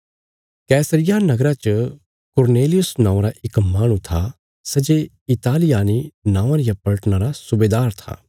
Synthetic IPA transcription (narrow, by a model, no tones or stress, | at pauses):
kɛːsəɾɪjanɐɡɾat͡ʃə | kʊɾneːlɪjʊsnãːõɾaʔɪkmaːɽ̃ũt̪ʰa | sɐd͡ʒe | ɪt̪aːlɪjaːninãːãɾɪjapɐɭəʈnaɾasʊbeːd̪aːɾt̪ʰa̰ː